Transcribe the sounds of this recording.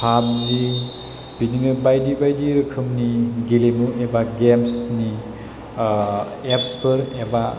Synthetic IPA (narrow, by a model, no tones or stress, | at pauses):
pʰab̚zi | b̥ininɯbajdibajdiɾɯkʰɯmniɡilemuebaɡemsni | epspʰɯɾeba